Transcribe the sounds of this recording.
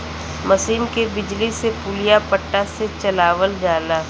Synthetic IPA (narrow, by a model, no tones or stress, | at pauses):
mɐsiːnkebɪd͡ʒlisepuːlijapəʈːaset͡ʃɐlaːʋəld͡ʒaːlaː